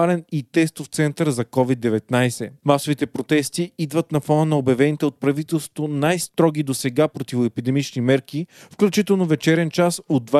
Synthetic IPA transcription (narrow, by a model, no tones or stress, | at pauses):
alɛnit̪ɛst̪oft̪sɛnt̪əɾzɐkɔvid̪ːɛvɛt̪najsɛmasovit̪ɛpɾot̪ɛst̪iid̪vət̪nɐfɔnənɐobjɐvɛnit̪ɛot̪̚pɾɐvit̪ɛlˠsvo̥t̪onajst̪ɾɔɡ̟id̪osɛɡapɾot̪ivoɛpid̪ɛmit͡ʃnimɛɾkifklʲut͡ʃit̪ɛlˠnovɛt͡ʃɛɾɛnt͡ʃasod̪ːva